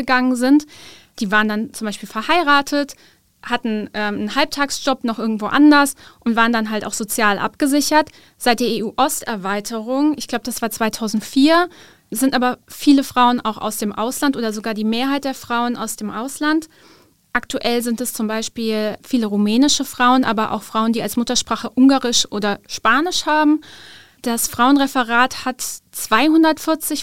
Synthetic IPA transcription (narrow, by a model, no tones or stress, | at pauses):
əɡaŋənzɪnt | d̥iːvaːʁəndant͡sʊmbaɪʃpiːlfɛɐhaɪʁaːtʰət | hatn̩ʔɛmənhalp̚tʰaːksʒ̥ɔpnɔχʔɪɐɡŋ̩tv̥o̰ːʔandɐsʔʊntv̥aːʁəndanɦaltaʊxz̥ot͡sjaːlʔa̰pɡ̥əzɪçɐt | z̥aɪt̚d̥eːɐeʔuːʔɔstʔɛɐvaɪtʰəʁʊŋɪçɡ̥laʊbəd̥asv̥aːɐt͡sv̥aɪtʰaʊzn̩tfiːɐ | zɪntʔaːbɐfiːləfʁ̥aʊəna̰ʊxa̰ʊsd̥eːmʔaʊslantʔoːdɐzoɡaːɐdiːmeːɐɦaɪt̚d̥eːɐfʁ̥aʊənʔa̰ʊsd̥eːmʔaʊslant | ʔaktʰuʔɛlzɪntɛst͡sʊmbaɪʃpiːlfiːləʁumɛːnɪʃəfʁ̥aʊənʔa̰ːbɐʔa̰ʊxfʁ̥aʊəndiːalsmʊtɐʃpʁ̥aːχəʔʊŋɡaːʁɪʃʔoːdɐʃpaːnɪʃhaːbm̩ | d̥asfʁ̥aʊənʁɛfəʁaːthatt͡sv̥aɪhʊndɐtfɪɐt͡sɪç